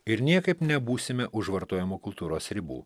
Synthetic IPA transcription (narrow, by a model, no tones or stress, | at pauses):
ɪɾnʲiɛkɐɪpnʲɛbuːsʲɪmʲɛʔʊʒʋɐɾt̪oːjɛmuːkʊlˠt̪uːɾoːsɾʲɪbṵː